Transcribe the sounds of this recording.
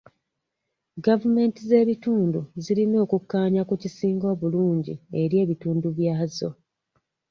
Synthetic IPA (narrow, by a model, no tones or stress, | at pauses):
ɡavume̞ntize̞ːβituːnduzilino̞ːkukːaːɲakucisiːŋɡo̞ːβuluːɲɟḭe̞ɾje̞ːβituːnduβjaːzo̞